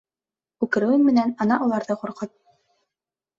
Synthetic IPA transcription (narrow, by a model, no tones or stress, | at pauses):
ʉkɘ̆ɾɘ̆wɘŋmɘ̆nænɑnɑʔulˠɑɾðɤquɾqɤt̪̚